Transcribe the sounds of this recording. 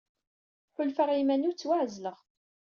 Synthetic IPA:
ħʊlfəʁimænut͡sːwaʕzləʁ

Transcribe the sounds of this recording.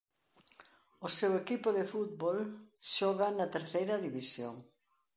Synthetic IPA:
ʊsewekipʊðefut̪̚bolʃɔɣanɐt̪eɾθejɾɐðiβisjoŋ

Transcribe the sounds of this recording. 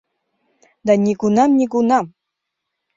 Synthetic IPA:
d̪anʲikunamnʲikunam

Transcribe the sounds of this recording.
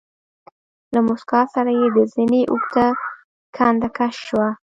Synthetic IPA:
lamʊskɑsaɾajed̪əzineʔukt̪a | kʰand̪akaʃːwa

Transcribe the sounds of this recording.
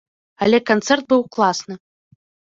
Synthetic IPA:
alʲɛkant̪sɛrt̪̚bɨwklˠasnɨ

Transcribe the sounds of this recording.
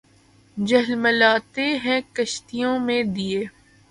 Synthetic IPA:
d͡ʒɐɦlməlaːt̪eɦɛ̃kɐʃt̪ijõmẽd̪ieː

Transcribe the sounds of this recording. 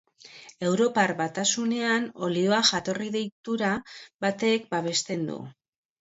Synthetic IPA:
e̞wɾo̞paɾβat̪asune̞ano̞lio̞aʝat̪o̞riðe̞jt̪uɾabat̪e̞k̚baβ̞e̞st̪e̞nd̪ṵ

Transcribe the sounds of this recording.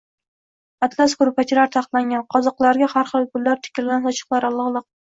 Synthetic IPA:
at̪ʰlˠaskʊɾpʰat͡ʃʰilaɾt̪ʰaqt̪laŋɡʲanqʰɒzɑqlˠaɾɡʲahaɾχɨlˠpʰʊlːaɾt̪ʰɪ̥kʲɪllansɒt͡ʃʰɨ̥qlˠaɾɑlˠːɑhlˠɨq̚

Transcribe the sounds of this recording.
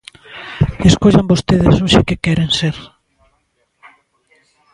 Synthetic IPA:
deskoʎambost̪eðɪsoʃɪkekɛɾenseɾ

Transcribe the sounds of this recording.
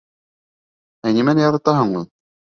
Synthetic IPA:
ænimænjɑɾɑt̪ɑɦɤ̆ɴmɤn

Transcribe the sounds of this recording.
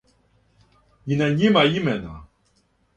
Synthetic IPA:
jinaɲimajimɛna̰

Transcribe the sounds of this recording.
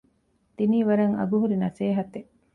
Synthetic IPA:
t̪iniːʋɐɾɐŋɐ̰ɡuɦuɾinɐseːɦɐt̪e

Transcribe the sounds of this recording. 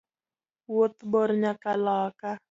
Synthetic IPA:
wʊt̪bɔɾɲakalaka

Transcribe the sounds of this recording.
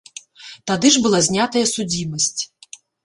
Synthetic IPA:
t̪ad̪ɨʐbɨlˠazʲnʲat̪ɐjɐsud͡zʲimɐsʲt͡sʲ

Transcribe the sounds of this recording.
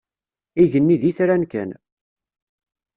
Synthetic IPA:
iʝənːiðiθɾænkæ̰n

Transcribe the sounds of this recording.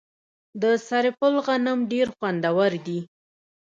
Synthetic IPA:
d̪əsaɾepʊlɣanəmɖeɾxwand̪awaɾd̪i

